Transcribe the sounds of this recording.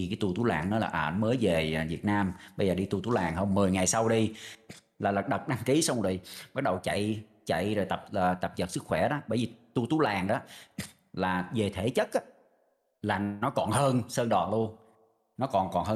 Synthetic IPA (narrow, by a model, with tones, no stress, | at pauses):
i˨˩kaː˨˦jt̪u˧˩t̪u˨˦la̰ː˨˩ŋnɔ˨˦laː˨˩ʔəː˧˩məː˨˦jve˨˩˨vi˨˩ət̚naː˧mɓə˧jzəː˨˩ɗi˧t̪u˧t̪u˨˦laː˨˩ŋhəː˧wŋ͡mmɨ˨˩əjŋa˨˩jsa˧wɗi˧ | laː˨˩lə˨˩k̚ɗə˨˩t̚ɗa˧ŋki˨˦sa˧wŋ͡mo˨˩jɓa˦˥ɗə˨˩wt͡ɕa̰˧˨j | t͡ɕa̰˧˨jzo˨˩jt̪ə˨˩p̚əː˨˩t̪ə˨˩p̚zə˨˩t̚sɨ˦˥k̚xwɛ˧˩ɗɔ˨˦ɓəː˧˩jvi˨˩t̪u˧t̪u˨˦laː˨˩ŋɗɔ˨˦ | laː˨˩ve˨˩t̪ʰe˧˩˦t͡ɕə˦˥t̚ʔaː˨˦ | laː˨˩nɔ˨˦kɔ˨˩nhəː˧nsəː˧nɗɔ˨˩nlu˧əŋ | nɔ˨˦kɔ˨˩nkɔ˨˩nhəː˧